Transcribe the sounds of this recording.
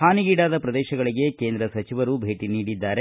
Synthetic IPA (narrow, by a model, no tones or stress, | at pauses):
haːniɡiːɽaːd̪ɐpɾɐd̪ɛːʃɐɡɐɭiɡe̞keːnd̪ɾɐsɐt͡ʃiʋɐɾubʱe̞ːʈiniːɽid̪ːaːɾe